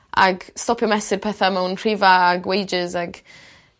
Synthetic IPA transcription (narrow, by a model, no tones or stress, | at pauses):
a̰ɡstɔpʰjəmɛsɪpʰɛθamɛwnr̥ivaːɡwejd͡ʒɪzaɡ